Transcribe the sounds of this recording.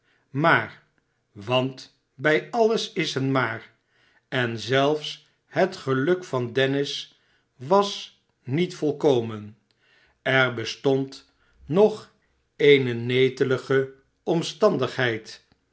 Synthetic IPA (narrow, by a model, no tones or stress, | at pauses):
maːɹ | ʋɑnt | bɛjɑləsɪsɦənmaːɹ | ɛnzɛlˠfs | ɦətχəlɵkfɑndɛnɪs | ʋɑs | nitfɔlˠkowmən | ɛɹbəstɔnt | nɔχ | ejnənejtələχə | ɔmstɑndəχɦɛjt